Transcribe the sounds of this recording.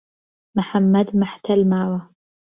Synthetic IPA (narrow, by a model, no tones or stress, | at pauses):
mʊħamːad̪maħt̪almaːwa